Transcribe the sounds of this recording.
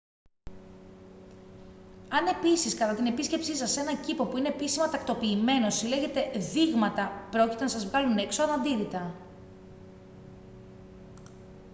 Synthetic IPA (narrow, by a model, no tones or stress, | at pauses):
ɐne̞pisiskɐt̪ɐt̪ine̞pisce̞psisɐse̞nɐcipo̞puine̞pisimɐt̪ɐkt̪o̞piːme̞no̞sile̞ʝe̞t̪e̞ðiɣmɐt̪ɐpɾo̞cit̪e̞nɐsɐzvɣɐluneksoɾɐnd̪iɾit̪ɐ